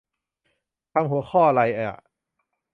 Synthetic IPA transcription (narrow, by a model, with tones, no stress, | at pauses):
t̪ʰa˧mɦu˩˦ɐxʰɔː˥˩ʔa˧la˧jʔa˧˩a̰˨˩